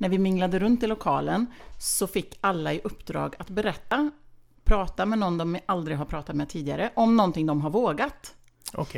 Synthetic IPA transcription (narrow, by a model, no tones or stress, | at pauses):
næɾvɪmɪŋːlad̪əɾɵnt̪ʰːɪlːʊkʰɑːlənsɔfɪkːalːaɪʔɵpːd̪ɾɑ̰ːɡat̪bɛɾɛt̪ːa | pʰɾɑːt̪amɛnɔnːd̪ɔmvɪʔald̪ɾɪɡɦaɾpʰɾɑːt̪at̪mɛːd̪t̪ʰiːd̪ɪɡaɾəʔɔmnɔnt̪ɪŋd̪ɔmɦaɾvoːɡat̪ | ɔ̰